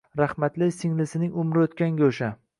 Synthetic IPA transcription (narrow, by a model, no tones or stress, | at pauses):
ɾahmat̪lɪjsɪŋlɪsɪnɪŋʊmɾɪot̪kʲaŋɡʲaoʃa